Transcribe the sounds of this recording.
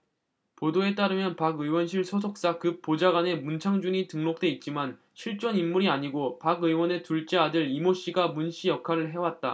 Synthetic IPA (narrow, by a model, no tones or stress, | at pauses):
podoe̞t͈aɾɯmjʌnpaɡɯwʌnɕʰiɭsʰosʰok̚s͈akɯp̚p͈od͡ʑaɡane̞munt͡ɕʰaŋd͡ʑuɲitɯŋmok̚t͈e̞it̚t͡ɕ͈iman | ɕʰiɭt͡ɕ͈ʌnimːuɾiaɲiɡopaɡɯwʌne̞tuɭt͡ɕ͈eadɯɾimoɕ͈iɡamunɕ͈ʰijʌkʰaɾɯɭɦe̞wat̚t͈a